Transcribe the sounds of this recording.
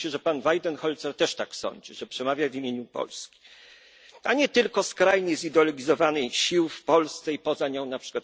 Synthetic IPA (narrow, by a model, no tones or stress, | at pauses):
ɕɛʐɛpanvajd̪ɛnxɔlt̪sɛɾt̪ɛʂt̪aksɔ̰ɲd͡ʑiʐɛpʂɛmavʲjavʲimʲjeɲupɔ̰lskʲi̥ | aɲɛt̪ɘlkɔskɾajɲizid̪ɔlɔɡʲizɔvanɛjɕiwfpɔlst̪sɛipɔzaɲɔ̃w̃napʂɘ̥kwat̪